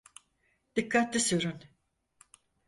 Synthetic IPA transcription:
d̪̥ikʰːat̪lisyɾun

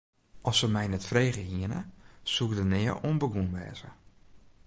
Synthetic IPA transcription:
ʔɔsəmɛjnɛtfreːɣəhiənə̰suk̚dənɪːəʔoənbəɡunʋɛ̰ːzə̰

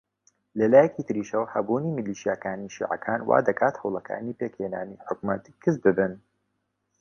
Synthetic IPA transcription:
lɐlaːjɛkiːt̪ɨɾiːʃɐwhɐbuːniːmɨliːʃijakaːniʃḭːʕɐ̰kʰaːnwa̰ːd̪ɐkaːt̪hɐwlɐkʰa̰ːniːpeːkheːna̰ːniħʊkmɐt̪kʰɨzbɨbɨn

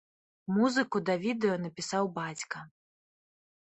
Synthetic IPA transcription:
muzɨkud̪ɐvʲid̪ɛjɔnɐpʲisawbat͡sʲkɐ

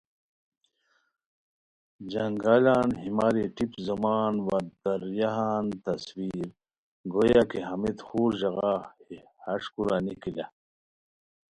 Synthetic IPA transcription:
d͡ʑɐŋɡaːlaːnɦimaːɾeʈipzɐmaːnwɐd̪ɐɾjaɦaːnt̪ɐswiːɾ | ɡojakeɦɐmit̪xuːɾʑɐɣa | hɐʂkuɾanikila

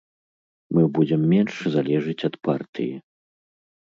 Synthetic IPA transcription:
mɨbud͡zʲɛmːʲɛnʂzalʲɛʐɨt͡sʲɐt̪part̪ɨ̰jḭ

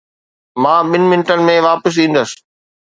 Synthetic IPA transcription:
mãːɓɪnɪ̆mɪnʈənɪ̆mẽʋaːpəs̬ĩːnd̪əsɪ̥̆

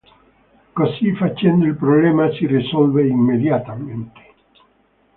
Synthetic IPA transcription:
kosifat͡ʃːɛnd̪oilpɾoblɛːmasirisɔlveimːed̪jat̪ament̪e̥

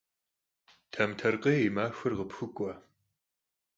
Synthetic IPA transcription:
tʰɐmtʰɐrqʼeːimaːxʷɨrʁəpxʷʊkʷʼɔ

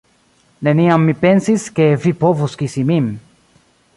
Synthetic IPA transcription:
neniamːipe̞nsiske̞vipovuskisimim

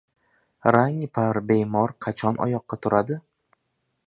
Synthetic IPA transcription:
ɾaŋpʰaɾbejmɒɾqʰɑt͡ʃʰɒnʔɒ̰jɒqːɑt̪ʰʊɾʔad̪ɪ

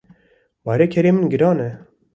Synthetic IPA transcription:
bɑːɾekʰɛɾeːmɨnɡɨɾɑːnɛ

